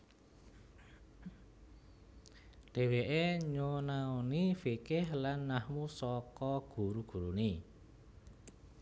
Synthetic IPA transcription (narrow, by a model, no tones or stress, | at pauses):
ɖ̪̥e̤weʔeɲonaonifikɪhlanːahmusɔkɔɡ̥ṳɾuɡ̥ṳɾuni